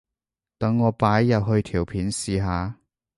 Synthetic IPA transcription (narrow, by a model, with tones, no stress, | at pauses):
t̪ɐ˨˧ŋːɔː˨˧paː˨˥jːɐ˨w̚ɦɵ˧ɥt̪ʰiː˨˩wpʰiː˨˥nsiː˨˧ɦaː˨˧